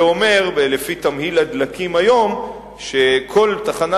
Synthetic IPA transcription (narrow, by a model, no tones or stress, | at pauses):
o̞me̞ʁbelefit̪amhilad̪lakimajo̞m | ʃe̞kʰo̞lt̪aχana